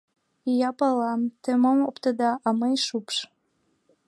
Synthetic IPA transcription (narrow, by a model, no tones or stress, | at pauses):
ijɑpɑlɑmt̪emomopt̪əd̪ɑʔɑmɤjʃupʃ